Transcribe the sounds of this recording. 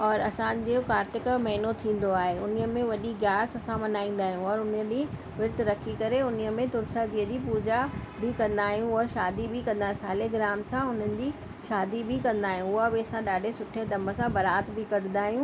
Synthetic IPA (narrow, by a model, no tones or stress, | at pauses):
ɔːɾɐsãd͡ʑeokaːɾt̪ɪkmɐɦɪnot̪ʰĩːn̆d̪oaːɦeʊnijəmẽʋɐɗiɡjaːsɐsãmɐnaːĩːn̆d̪aːɦijũɔːɾʊnəd͡ʑi | ʋɪɾt̪ɾɐkʰikɐɾeʊniəmẽt̪ʊɾsad͡ʑiːəd͡ʑiːpuːd͡ʑabʱɪkɐ̃nd̪aːɦijũʊaʃaːd̪ibʱɪkɐ̃nd̪aːɦsaːleɡɪɾaːmsãʊn̤ənɪ̆d͡ʑiː | ʃaːd̪ibʱɪkɐ̃nd̪aːɦijũʊɦabɪɐsãɗaːɖʱesʊʈʰed̪ɐ̃mbə̆sãbɐɾaːt̪bʱɪkɐɽ̤ɪ̃nd̪aːɦijũ